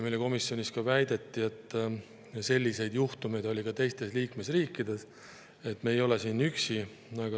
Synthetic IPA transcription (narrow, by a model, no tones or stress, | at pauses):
mejleko̞misːjo̞nʲiskɑvæjd̪̥e̞t̪ːie̞t̪ːˑ | se̞lʲːise̞jd̪juht̪ume̞jd̪o̞lʲikɑt̪e̞jst̪e̞sliːkme̞sriːkːid̪̥e̞s | et̪ːˑme̞ːjo̞lesiːnyksi | ɑɡɑ